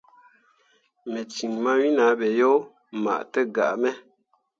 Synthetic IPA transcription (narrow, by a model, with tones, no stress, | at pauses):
mɛ˨t͡ʃi˨ŋma˦ɥi˦na˨˦bɛ˨jo˦ | ma̰˨ʔtə˦ɡa̰˨ʔmɛ˦